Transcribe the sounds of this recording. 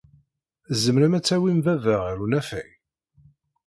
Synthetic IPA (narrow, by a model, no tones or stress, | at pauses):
zəmɾæmæt͡sːæwimvævəʁɾunæfæj